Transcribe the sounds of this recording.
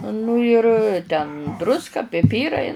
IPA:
ˈnʊ ɪr tʲɛn ˈdrʊskɐ pʲɪˈpʲiːrɐɪ

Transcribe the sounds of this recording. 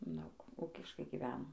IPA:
ˈdɐʊk ˈʊkʲɪʃkɐɪ ɡʲɪˈʋʲæːnoː

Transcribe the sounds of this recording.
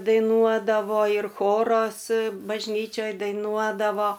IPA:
dɐɪˈnuɔdɐʋoː ɪr ˈxoːroːs bɐʒʲˈnʲiːt͡ʃʲoːj dɐɪˈnuɔdɐʋoː

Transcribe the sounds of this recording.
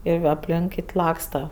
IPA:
ɪr ɐpʲˈlʲɪŋk ˈkʲɪtʲ ˈlˠɑːkstɐ

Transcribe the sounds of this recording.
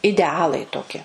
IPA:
ɪdʲɛˈɑːlˠɐɪ toːˈkʲɪ

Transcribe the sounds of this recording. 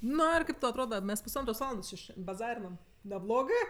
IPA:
ˈnʊ ɪr ˈkɐɪp ˈtɐʊ ɐtˈroːdɐ ˈmʲɛs pʊsˈɐntroːs ˈʋɑːlˠɐndoːs t͡ʃʲɪ ʃʲɛn bɐˈzɑːrʲɪnɐm nʲɛˈblˠoːɡɜ

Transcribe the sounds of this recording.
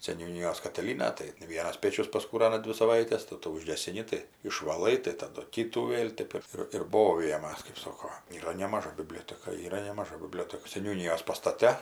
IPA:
sʲɛnʲuːˈnʲiːjoːs kɐtʲɪˈlʲiːnɐ tɐɪ ˈʋʲiɛnɐs ˈpʲeːt͡ʃʲʊs pɐskuːˈrɑːnɐ ˈdʲʋʲɪ sɐˈʋɐɪtʲɛs tɐɪ ˈtuː ʊʒʲɡʲɛsʲɪˈnʲɪ tɐɪ ɪʃʋɐˈlˠɐɪ tɐɪ tɐˈdʊ ˈkʲiːtuː ˈʋʲeːlˠ ˈtʲɛp ɪr ɪr ˈboːʋʲɪjɛmɐs kɐɪp ˈsoːkoː iːˈrɐ nʲɛmɐˈʒɐ bʲɪˈbʲlʲoːtʲɛkɐ iːˈrɐ nʲɛmɐˈʒɐ bʲɪˈbʲlʲoːtʲɛkɐ sʲɛnʲuːˈnʲɪjoːs pɐstɐˈtʲɛ

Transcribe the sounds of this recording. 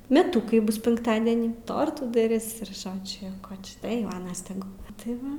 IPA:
mʲɛˈtʊkɐɪ ˈbʊs ˈpʲɪŋktɐdʲɛnʲiː ˈtoːrtuː dɐˈrʲɪs ɪr ˈʒoːd͡ʒʲʊ jɛʊ ˈkoː t͡ʃʲɛ tɐɪ ˈjɛʊ ˈɑːnɐs tʲɛˈɡʊ tɐɪ ˈʋɐ

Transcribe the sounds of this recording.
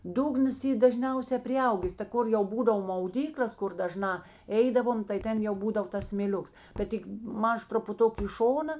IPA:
ˈdʊɡnɐs ˈiː dɐˈʒʲnʲɛʊsʲɛ pʲrʲɪˈɐʊɡʲeːs tɐ ˈkʊr jɛʊ ˈbuːdɐʋoː mɐʊˈdʲiːklʲeːs ˈkʊr dɐˈʒnɑː ˈɛɪdɐʋoːm tɐɪ ˈtʲɛn jɛʊ ˈbuːdɐw tɐs sʲmʲeːˈlʲʊks bʲɛt ˈtʲɪk ˈmɐʃ trʊpʊˈtʊk ɪ ˈʃoːnɐ

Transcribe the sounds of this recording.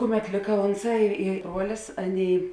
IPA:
ˈkʊˌmʲɛt ˈlʲɪkɐ ˈoːnˌsɑː ɪ ɪ ˈbruɔlʲɪs ˈɑːˌnʲeːɪ

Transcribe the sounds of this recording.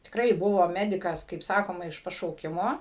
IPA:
tʲɪkˈrɐɪ ˈbʊʋoː ˈmʲæːdʲɪkɐs kɐɪp ˈsɑːkoːmɐ ɪʃ pɐʃɐʊˈkʲɪmoː

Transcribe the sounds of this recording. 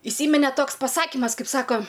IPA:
ɪˈsʲiːmʲɪnʲɛ ˈtoːks pɐˈsɑːkʲɪmɐs ˈkɐɪp ˈsɑːkoː

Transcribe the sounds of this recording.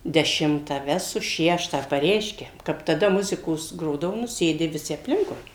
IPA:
dʲɛˈʃʲɪmtɑː ˈʋʲæːsʊ ˈʃʲæːʃtɑː pɐˈrʲɛɪʃʲkʲɛ kɐp tɐˈdɐ ˈmʊzʲɪkoːs ˈɡroːdɐʋʊ nʊ ˈsʲeːdʲɪ ʋʲɪˈsʲɪ ɐpʲˈlʲɪŋkʊɪ

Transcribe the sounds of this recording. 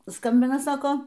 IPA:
ˈskɐmʲbʲɪnɐ ˈsɑːkoː

